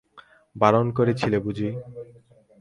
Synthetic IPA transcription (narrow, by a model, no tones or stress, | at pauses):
baɾonkoɾet͡ɕʰilebud͡ʑi